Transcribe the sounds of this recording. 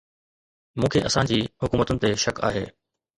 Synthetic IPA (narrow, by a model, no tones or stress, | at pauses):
mũːkʰeʔɐsãd͡ʑiːɦʊkuːmət̪ʊnɪ̆t̪eʃɐka̰ːɦeː